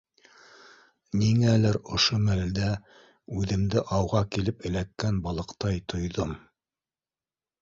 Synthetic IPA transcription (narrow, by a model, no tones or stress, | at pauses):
niŋælæɾŏʃomæld̪æ | ʉðɘ̆md̪ɘʔɑwʁɑkilɘpɘ̆lækːænbɑlˠɤ̆qt̪ɑjt̪ʰŏjðom